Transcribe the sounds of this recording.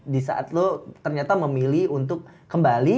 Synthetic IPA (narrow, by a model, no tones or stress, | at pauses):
disa̰ʔa̰t̪̚lot̪ərɲat̪aməmiliunt̪̬ʊk̚ːəmbali